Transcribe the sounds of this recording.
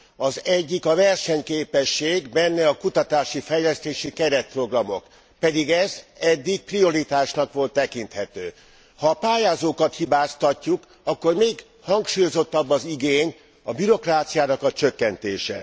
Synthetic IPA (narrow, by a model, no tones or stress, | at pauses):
ɒzɛɟːikɒvɛrʃɛɲkeːpɛʃːeːɡbɛnːɛɒkut̪ɒt̪aːʃifɛjlɛst̪eːʃikɛɾɛt̪̚pro̞ɡrɒmo̞̰k | pɛd̪iɡɛzɛd̪ːik̚prio̞ɾit̪aːʃnɒkʋo̞lt̪ːɛkint̪hɛt̪øː | hɒpaːjaːzoːkɒt̪hibaːst̪ɒcːuk | ɒkːo̞rmeːɡ | hɒŋkʃuːjo̞zo̞t̪ːɒbːɒziɡeːɲ | ɒbyɾo̞kraːt̪sijaːnɒkɒt͡ʃøkːɛnt̪eːʃɛ̰